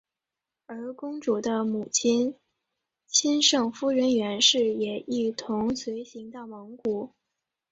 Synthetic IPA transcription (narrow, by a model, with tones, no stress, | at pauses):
ə˞˧˥kʊ˥ŋʈ͡ʂu˨˩d̪ə˦mu˨˩t͡ɕʰi˥n | t͡ɕʰi˥nʂɤ˥˩ŋfu˥ɻə˧˥nɥɛ˧˥nʂɻ̩˥˩jɛ˨˩i˥˩t̪ʰʊ˧˥ŋswe˧˥ɪɕi˧˥ŋt̪ɑ˥˩ʊmɤ˧˥ŋku˨˩˦